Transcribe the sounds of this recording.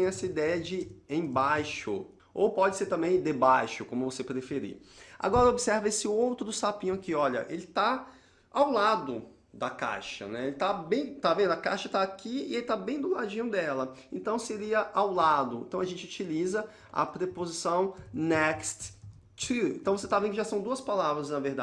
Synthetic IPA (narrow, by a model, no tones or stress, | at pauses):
ẽj̃ɛsɐid̪ɛjɐd͡ʒɪẽj̃bajʃʊ̰ | owpɔd͡ʒɪseɾt̪ɐ̃mbẽj̃d̪ebajʃʊkõmʊvosepɾefeɾḭa̰ɡɔɾɐobisɛɾvɐesɪowt̪ɾʊsapĩɲʊ̃akiɔʎɐ̰ʔelɪt̪a | awlad̪ʊ | d̪ɐka̰jʃɐ̰nɛelɪt̪abẽj̃t̪avẽnd̪ʊɐka̰jʃɐt̪aːkiɪ̰elɪt̪abẽj̃d̪ʊlad͡ʒĩɲʊd̪ɛlɐẽnt̪ɐ̃w̃seɾiɐʔawlad̪ʊḛ̃nt̪ɐ̃w̃ɐʒẽnt͡ʃɪut͡ʃilizɐ | ɐ̰pɾepozisɐ̃w̃nɛkst̪ | t͡ʃɾiḛ̃nt̪ɐ̃w̃voset̪avẽkʊɪʒasɐ̃w̃d̪uɐspalavɾɐznɐveɾd̪a